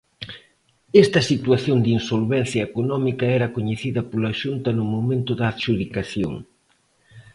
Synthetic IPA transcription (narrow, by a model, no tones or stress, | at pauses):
ɛst̪ɐsit̪waθjond̪insolβɛn̟θjɐekonɔmikɐɛɾɐkoɲeθiðɐpolɐʃunt̪ɐnʊmomẽnt̪ʊðaðʃuðikaθjo̰ŋ